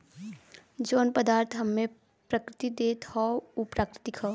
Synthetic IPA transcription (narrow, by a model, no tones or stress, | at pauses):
d͡ʒoːnpəd̪aːɾt̪ʰɦəmːẽ | pɾəkɾɪt̪id̪eːt̪hɔupɾaːkɾɪt̪ikʰɔ